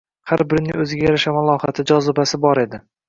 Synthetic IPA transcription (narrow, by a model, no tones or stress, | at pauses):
haɾbɪɾnɪŋɵzɪɡʲajaɾaʃamalˠɒhɑat̪ʰɪd͡ʒɒzɪbasɪbɒɾe̞d̪ɪ